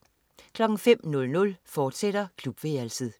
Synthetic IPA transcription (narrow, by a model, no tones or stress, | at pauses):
kʰlɒ̽ɡ̥ŋ̩fem̰nɔ̽lnɔ̽lfɒːd̥seɾ̥ɐkʰlub̥ʋeælsðˠ